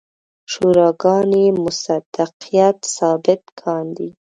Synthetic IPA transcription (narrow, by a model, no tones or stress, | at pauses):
ʃuɾɑɡɑnemʊsad̪̥aqijat̪sɑbɪt̪kʰɑnd̪i